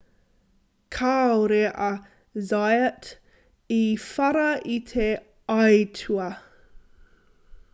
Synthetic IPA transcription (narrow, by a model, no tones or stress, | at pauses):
kʰaːoɾeʔɐ | zajət | ifɐɾɐit̪ʰe | ɐjtʰuɐ